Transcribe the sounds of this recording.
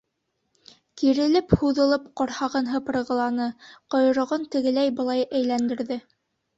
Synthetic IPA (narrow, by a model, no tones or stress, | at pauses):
kiɾɘ̆lɘphuðɤ̆lˠɤpqoɾhɑʁɤnɦɤp̆ɾɤ̆ʁɤ̆lˠɑnɤqŏjɤ̆ɾŏʁɤnt̪ɘ̆ɡɘ̆læjbɤ̆lˠɑjʔæjlænd̪ɘ̆ɾðɘ